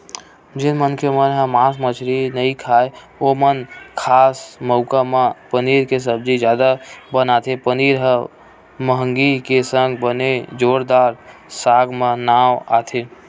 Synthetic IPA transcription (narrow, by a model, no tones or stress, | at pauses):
d͡ʒɪnmənkemənɦəmaːsmət͡ʃʰɾinəĩkʰaːe | omənkʰaːsməʊkamẽpəniɾkes̬əb̚d͡ʒid͡ʒjad̪abənat̪ʰepəniɾɦə̃ | məɦəŋɡikesə̃ŋɡbəned͡ʒoɾd̪aːɾsaɡmẽnaːwa̰t̪ʰe